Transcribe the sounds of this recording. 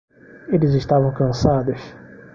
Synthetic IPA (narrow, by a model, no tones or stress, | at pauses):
elɪzɪʃt̪avɐ̃w̃kɐ̃sad̪ʊs